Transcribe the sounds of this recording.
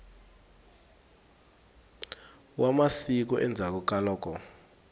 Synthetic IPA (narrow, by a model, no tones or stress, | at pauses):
wamasik̬uʔɛnd͡zʱak̬ɔk̬ʼalɔːkɔ